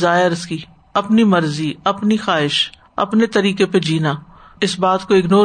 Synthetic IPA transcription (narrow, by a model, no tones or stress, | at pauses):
zaːɦɪɾɪski | ɐpnimɐɾziɐpnixaːɪʃ | ɐ̰pnet̪ɐɾiːkeped͡ʒiːna | ɪsbaːt̪koɪɡnoː